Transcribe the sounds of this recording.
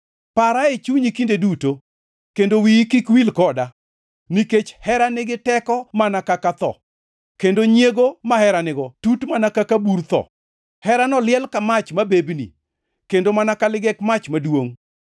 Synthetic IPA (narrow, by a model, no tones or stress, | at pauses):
paɾaet͡ʃuɲikindeduto | kendowikɪkwilkɔda | niket͡ʃhɛɾanɪɡɪtɛkɔmanakakat̪ɔ̰ | kendoɲeɡomahɛɾanɪɡɔtutmanakakabuɾt̪ɔ̰ | hɛɾanɔlɪɛlkamat͡ʃmabebnḭ | kendomanakalɪɡɛkmat͡ʃmadwoŋ